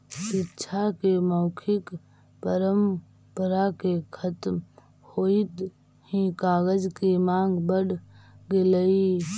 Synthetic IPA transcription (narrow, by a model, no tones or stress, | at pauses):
ɪtːʃʰakeməʊkʰɪk | pəɾəm | pəɾakekʰət̪m | hoit̪ | hĩkaːɡəd͡ʒkemãːŋɡbəɽɡeləi